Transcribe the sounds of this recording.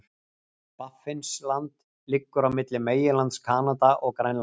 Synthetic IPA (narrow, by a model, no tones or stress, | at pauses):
pafɪnslant̪ | lɪkːʏɾavmɪt̪lɪmeːjɪlant̪skʰaːnat̪aʔɔɣkɾajnla